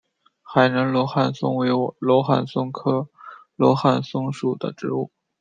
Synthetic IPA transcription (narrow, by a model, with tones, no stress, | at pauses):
xa˨˩ɪnə˧˥nlɔ˧˥xa˥˩nsʊ̰˥ŋwe˧˥ɪlwɔ˧˥xa̰˥˩nsʊ˥ŋkʰɤ˥lwɔ̰˧˥xa˥˩nsʊ˥ŋʂu˨˩d̪ə̰˦ʈ͡ʂɻ̩˧˥ṵ˥˩